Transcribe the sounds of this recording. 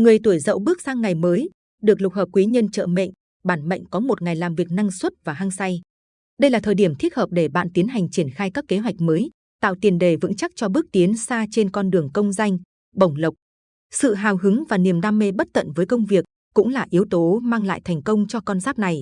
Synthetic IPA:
ŋɨ˨˩əjt̪u˧˩əjzə̰˧˨wɓɨ˦˥ək̚saː˧ŋːa˨˩jməː˨˦j | ɗɨ˨˩ək̚lʊ˨˩k͡p̚həː˨˩p̚kwi˨˦ɲə˧nt͡ɕə̰ː˧˨mḛ˧˨jŋ | ɓaː˧˩nmə̰˧˨jŋ̟kɔ˨˦mo˨˩t̚ŋa˨˩jlaː˨˩mvi˨˩ək̚na˧ŋswə˦˥t̚vaː˨˩ɦaː˧ŋsa˧j | ɗə˧jlaː˨˩t̪ʰəː˨˩jɗi˧˩əmt̪ʰi˦˥ət̚həː˨˩p̚ɗe˧˩ɓa̰ː˧˨nt̪i˨˦ənɦa˨˩jŋ̟t͡ɕi˧˩ənxaː˧jkaː˦˥kːe˨˦ɦwa˨˩jk̟̚məː˨˦j | t̪a̰ː˧˨wt̪i˨˩ənɗe˨˩vɨ̰˧˥ŋt͡ɕa˦˥k̚t͡ɕɔ˧ɓɨ˦˥ək̚t̪i˨˦ənsaː˧t͡ɕe˧nkɔ˧nɗɨ˨˩əŋkə˧wŋ͡mza˧jŋ̟ | ɓə˨˩wŋ͡mlə˨˩wk͡p̚ | sɨ̰˧˨ɦaː˨˩wɦɨ˨˦ŋvaː˨˩ni˨˩əmɗaː˧mːe˧ɓə˦˥t̚t̪ə̰˧˨nvəː˨˦jkə˧wŋ͡mvi˨˩ək̚ | kʊ̰˧˥ŋ͡mlaː˨˩ʔi˨˦əwt̪o˨˦maː˧ŋla̰ː˧˨jt̪ʰɛ˨˩ŋ̟kə˧wŋ͡mt͡ɕɔ˧kɔ˧nzaː˦˥p̚na˨˩j

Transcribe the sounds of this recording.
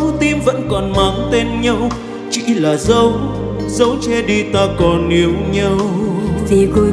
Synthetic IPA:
wt̪i˧mvə̰˧˥nkɔ˨˩nma˨˦ŋt̪e˧nɲə˧w | t͡ɕḭ˧˥laː˨˩zə˧w | zə˨˦wt͡ɕɛ˧ɗi˧t̪aː˧kɔ˨˩nʔi˨˦əwɲə˧wzi˧

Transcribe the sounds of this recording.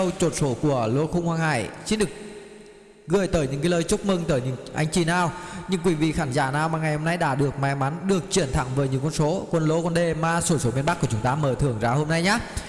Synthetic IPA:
ə˧wt͡ɕo˨˩t̚so˨˦ku˧˩əlo˨˦xʊ˧wŋ͡mhwaː˧ŋha̰ː˧˩˨jt͡ɕi˧˥ɗɨ˨˩ək̚ | ɣɨ˧˩əjt̪əː˨˦jɲɨ̰˧˥ŋkaː˨˦ləː˧jt͡ɕʊ˦˥k͡p̚mɨ˧ŋt̪əː˨˩jɲɨ̰˧˥ŋʔa̰˧jŋ̟t͡ɕi˧˩naː˨˩wɲɨ̰˧ŋk̬wi˧˩vḭ˧˨xaː˧˩nzaː˧˩naː˨˩wmaː˨˩ŋa˨˩jho˧mna˧jɗa̰ː˧˥ɗɨ˨˩ək̚ma˧˩jma˨˦nɗɨ˨˩ək̚t͡ɕi˧˩ənt̪ʰa̰˧˩ŋvəː˨˦jɲɨ̰˧˨˦ŋkwə˧nso˨˦kwə˧nlo˨˦kwa˧nɗe˧maː˨˩so˧˩so˨˦mi˧ənɓa˦˥kːə˩t͡ɕʊ˨˦ŋ͡mt̪aː˨˦məː˧˩t̪ʰɨ˧˩əŋzaː˨˧˦ho˧mna˧jɲaː˨˦˥

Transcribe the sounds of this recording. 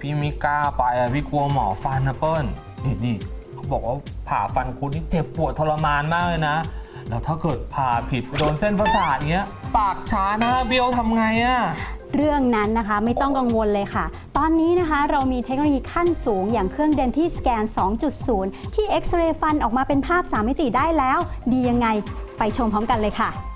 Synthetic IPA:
pʰiː˥˩miː˦˥˩kaː˥˩pa˧jʔa˨˩pʰiː˥˩ku˧ɐmɔ̰ː˩˦fa˧nːa˧pɤː˥˩n | ni˧˩niː˧˩kʰa˦˥wbɔː˨˩k̚waː˥˩pʰa̰ː˨˩fa˧nkʰu˧nniː˦˥˩t͡ɕe˨˩pːu˨˩ət̪ʰːo˧la˧maː˧nmaː˥˩k̚lɤː˧jna˦˥ | lɛː˦˥wt̪ʰaː˥˩kɤː˨˩t̪̚pʰaː˨˩pʰi˨˩t̪̚doː˧nse˥˩npʰa˧saː˨˩t̪̚ni˦˥ɐ | paː˨˩k̚t͡ɕʰaː˦˥nːa˦˥kʰa˦˥bi˧˥ʔwt̪ʰa˧mŋa˧jʔa˧˩ɾɯ˥˩əŋna˦˥nːa˦˥kʰa˦˥ma˥˩jt̪ɔ˥˩ŋka˧ŋwo˧nlɤː˧jkʰa˥˩ | t̪ɔː˧nːiː˦˥na˦˥kʰa˦˥ɾa˧wmiː˧t̪ʰe˦˥k̚nː˧˦jiː˧kʰa˥˩nsuː˩˦ŋjaː˨˩ŋkʰɾɯ˥˩əŋde˧nt̪ʰiː˥˩skɛː˧nsɔː˩˦ŋt͡ɕu˨˩t̪̚suː˩˦nt̪ʰiː˥˩ʔe˦˥k̚sɾeː˧fa˧nʔɔː˨˩k̚maː˧pe˧npʰaː˥˩p̚saː˨˩˦ma˥˩t̪i˨˩daː˥˩jlɛː˦˥wdiː˧ja˧ŋːa˧jpa˧jt͡ɕʰo˧mpʰɔ˦˥mka˧nlɤː˧jkʰa˥˩

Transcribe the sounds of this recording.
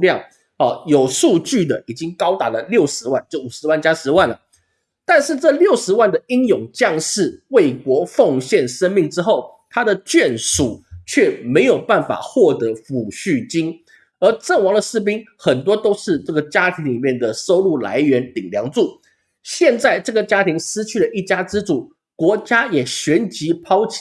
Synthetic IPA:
ljɑ˥˩ŋ | ɔ˥˩jo˨˩ʊʂu˥˧t͡ɕy˥˩d̪ə˩ʔi˨˩t͡ɕi˦˥ŋkɑ˥ʊt̪a˧˥lə˧ljo˥˩ʊʂɻ̩˧˥wa˥˧nt͡ɕjo˥˩u˨˩ʂɻ̩˧˥wa˥˩nt͡ɕja˥ʂɻ̩˧˥wa˥˩nlə˩ | t̪a˥˧nʂɻ̩˥˧ʈ͡ʂɤ˥˧ljo˥˩ʊʂɻ̩˧˥wa˥˩nd̪ə˩i˥njʊ˨˩ŋt͡ɕjɑ˥˧ŋʂɻ̩˥˩we˥˩ɪkwɔ˧˥fɑ˥˧ŋɕjɛ˥˩nʂə˥nmi˥˩ŋʈ͡ʂɻ̩˥xo˥˩ʊ | t̪ʰa˥d̪ə˨t͡ɕɥɛ˥˩nʂu˨˩˦t͡ɕʰɥɛ˥˩me˧˥ɪjo˨˩ʊpa˥˩nfa̰˨˩xwɔ˥˩t̪ɤ˧˥fu˨˩ɕy˥˩t͡ɕi˥n | ə˞˧˥ʈ͡ʂə˥˩ŋwɑ˧˥ŋd̪ə˨ʂɻ̩˥˩p̬i˥ŋxə˨˩nt̪̬wɔ˥t̪o˥ʊʂɻ̩˥˧ʈ͡ʂɤ˥˩ɡə˩t͡ɕja˥t̪ʰi˧˥ŋli˨˩mjɛ˥˩nd̪ə˩so˥ʊlu˥˩la̰˧˥ɪɥɛ˧˥nt̪i˨˩ŋljɑ˧˥ŋt͡su˥˩ | ɕjɛ˥˧nt͡sa˥˧ɪʈ͡ʂɤ˥˩ɡə˩t͡ɕja˥t̪ʰi˧˥ŋsɹ̩˥t͡ɕʰy˥˩lə˩ʔi˥˩t͡ɕja˥ʈ͡ʂɻ̩˥ʈ͡ʂu˨˩ | kwɔ˧˥t͡ɕja˥jɛ˨˩ɕɥɛ˧˥nt͡ɕi˧˥pʰɑ˥ʊt͡ɕʰi̥˨

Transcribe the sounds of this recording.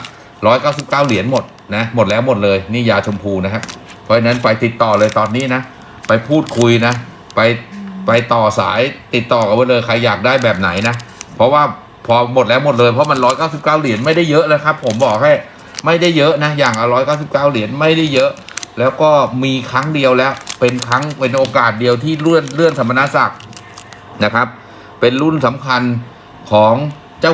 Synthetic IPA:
ɾɔː˦˥jkaː˥˩wsi˨˩p̚kaː˥˩wli˨˩˦ənmo˨˩t̪̚ | na˦˥mo˨˩t̪̚lɛː˦˥wmo˨˩t̪̚lɤː˧jniː˥˩jaː˧t͡ɕʰo˧mpʰuː˧na˦˥kʰa˦˥p̚ | pʰːɔ˦˥a˧na˦˥npa˧jt̪i˨˩t̪ːɔː˨˩lɤː˧jt̪ɔː˧nːiː˦˥na˦˥ | pa˧jpʰuː˥˩t̪̚kʰu˧jna˦˥ | pa˧jpa˧jt̪ɔː˨˩sa̰ː˩˦jt̪i˨˩t̪ːɔː˨˩ka˨˩baː˧˩lɤː˧jkʰa˧jːaː˨˩k̚daː˥˩jbɛː˨˩p̚na˩˦jna˦˥pʰɾɔ˦˥waː˥˩ | pʰɔː˧mo˨˩t̪̚lɛː˦˥wmo˨˩t̪̚lɤː˧jpʰɔ˦˥ma˧nɾɔː˦˥jkaː˥˩wsi˨˩p̚kaː˥˩wli˨˩˦ənma˥˩jda˥˩jːɤ˦˥ʔnaː˦˥jkʰa˦˥pʰːo˩˦mbɔː˨˩k̚ha˥˩j | ma˥˩jda˥˩jːɤ˦˥ʔna˦˥jaː˨˩ŋʔa˧wɾɔː˦˥jkaː˥˩ws̬i˨˩p̚kaː˥˩wli˨˩˦ənma˥˩jda˥˩jːɤ˦˥ʔlɛː˦˥wkɔː˥˩miː˧kʰɾa˦˥ŋdi˧əwlɛː˦˥wpe˧nkʰɾa˦˥ŋpe˧nʔoː˧kaː˨˩t̪̚di˧əwt̪ʰiː˥˩ɾɯ˥˩ənɾɯ˥˩ənt̪ʰa˧ma˧na˦˥sa˨˩k̚ | na˦˥kʰa˦˥p̚ː | e˧nlu˥˩nsa˩˦mkʰa˧n | kʰɔː˩˦ŋ | t͡ɕaː˥˩

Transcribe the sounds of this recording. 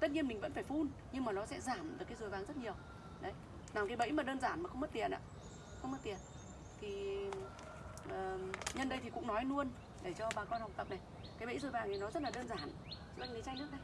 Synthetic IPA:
t̪ə˦˥t̚ɲi˧ənmi˨ŋ̟və̰˧˥nfaː˧˩jfu˧n | ɲɨ˧ŋmaː˨˩nɔ˨˦sɛ̰˧˥zaː˧˩mɗɨ˨˩əkːa˨˦jzɨ˨˩əjvaː˨˦ŋzə˦˥t̚ɲi˨˩əw | ɗə˨˦j | naː˨˩mkaː˨˦jɓə̰˧˥jmaː˨˩ɗəː˧nzaː˧˩nmaː˨˩xə˧ŋ͡mmə˦t̪̚i˨˩ənʔa̰ː˧˥ | xə˧wŋ͡mm˦˥t̚t̪i˨˩ən̚ | t̪ʰi˨˩ | ʔəː˨˩ɲə˧nɗə˧jt̪ʰi˨˩kʊ̰˧˥ŋ͡mnɔ˨˦jnu˧ən | ɗe˧˩t͡ɕɔ˧ɓaː˨˩kɔ˧nha˨˩wk͡p̪̚ə˨˩p̚na˨˩j | kaː˨˦jɓə̰˧˥jzɨ˨˩jvaː˨˩ŋ˨˩nɔ˨˦zə˦˥t̚laː˨˩ɗəː˧nzaː˧˩n˧˦ | za˦˥li˨˦t͡ɕa˧ŋnɨ˦˥kɗə˧j

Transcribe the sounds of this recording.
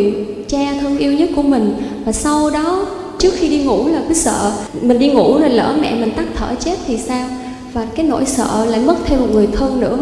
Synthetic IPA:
t͡ɕaː˧t̪ʰə˧nʔi˧wɲə˦˥t̚ku˧˩əmï˨˩ŋ̟vaː˨˩sa˧wɗɔ˨˦ | t͡ɕɨ˦˥ək̚xi˧ɗi˧ŋṵ˧˩laː˨˩kɨ˨˦sə̰ː˧˨mï˨˩ŋ̟ɗi˧ŋṵ˧˩˥nə˨˩lə̰ː˧˩mɛ̰˧˨mï˨˩ŋ̟t̪a˦˥k̚t̪ʰəː˧˩t͡ɕe˦˥t̚t̪ʰi˨˩saː˧w | vaː˨˩kaː˨˦jno̰˧˥˨jsə̰ː˧˨la̰ː˧˨jmə˦˥t̚t̪ʰe˧mːo˨˩t̚ŋɨ˨˩əjt̪ʰə˧nnɨ̰˧˥ə

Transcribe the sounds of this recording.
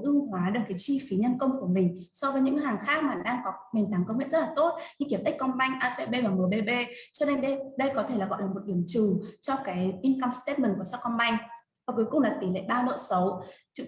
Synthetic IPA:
ʔɨ˧əŋɦwaː˨˦ɗɨ˨˩kaː˨˦jt͡ɕi˧fi˨˦ɲə˧nkə˧wŋ͡mku˧˩əmï˨˩ŋ̟ | sɔ˧vəː˨˦jɲɨ̰˧˥haː˨˩ŋxaː˦˥k̚maː˨˩ɗaː˧ŋkɔ˨˦me˨˩nt̪aː˨˦ŋkə˧ŋ͡mŋḭ˧˨nzə˦˥t̚la˨˩t̪o˦˥t̚ɲɨ̰˧ki˧˩əmt̪a˦˥k̚kɔ˧nɓa˧jŋ̟ʔaː˧sḛ˧ɓe˧vaː˨˩mɨ˨˩əɓe˧ɓe˧t͡ɕɔ˧ne˧nɗə˧ɗə˧jkɔ˨˦t̪ʰe˧˩laː˨˩ɣɔ̰˧˨jlaː˨˩mo˨˩t̚ɗi˧˩əmt͡ɕɨ˨˩t͡ɕɔ˧kaː˨˦jʔi˧nka˧mst̪e˦˥t̚mə˨˩nku˧˩əsɔ˦˥kɔ˧nɓa˧jŋ̟ | vaː˨˩ku˨˦jkʊ̰˨˩ŋ͡mlaː˨˩t̪i˨˦lḛ˧˨ɓaː˧wlə̰ː˧˨jsə˨˦wt͡ɕɨ̰˧˨

